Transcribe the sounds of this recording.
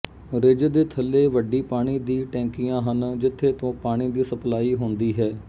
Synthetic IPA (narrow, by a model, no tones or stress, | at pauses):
ɾɪd͡ʒd̪eːt̪ʰəlːeːʋəɖiːpaːɽ̃iːd̪iːʈɛ̃ːŋkiːjãːɦənd͡ʒɪt̪ʰːeːt̪õːpaːɽ̃iːd̪iːsəplaːiːɦõːnd̪iːɦɛː